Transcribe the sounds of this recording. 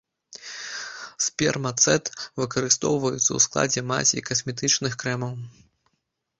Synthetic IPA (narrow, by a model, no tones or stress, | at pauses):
spʲɛ̰rmɐt̪sɛt̪vɨkɐɾɨst̪ɔ̰wvɐjut̪sːɐ̰wsklˠa̰d͡zʲɛma̰sʲḭkɐsmʲɛt̪̬ɨt͡ʂnɨxkɾɛmɐw